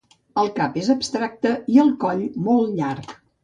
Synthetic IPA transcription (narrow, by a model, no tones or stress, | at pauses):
əlˠkapezəbst̪ɾak̚t̪əiəlˠkɔʎmolˠtʎark